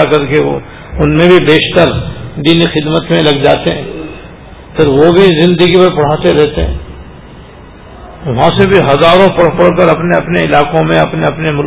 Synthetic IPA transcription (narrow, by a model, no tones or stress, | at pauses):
akɐɾkeo̰ | ʊnmẽbʱibeːʃt̪əɾd̪iːnixɪd̪mət̪mẽlɐɡd͡ʒa̰ːt̪eɦɛ̃ː | pɪɾʋobʱizɪ̃nd̪əɡipɐɾpɐɽ̤aːt̪eɾɛɦt̪eɦɛ̰̃ː | ʋɐɦãsebʱiɦɐzaːɾõpɐɽpɐɽ̤kəɾɐpneɐpneɪlaːkõmẽɐpneɐpnemʊl